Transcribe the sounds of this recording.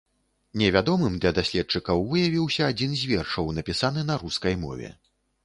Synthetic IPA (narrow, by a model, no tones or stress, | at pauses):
nʲɛvʲad̪ɔmɨmd̪lʲɐd̪asʲlʲɛt̪̚t͡ʂɨkɐwvɨjavʲiwsʲɐːd͡zʲinzʲvʲɛrʂɐwnɐpʲisanɨnɐɾuskɐjmɔ̰vʲɛ̰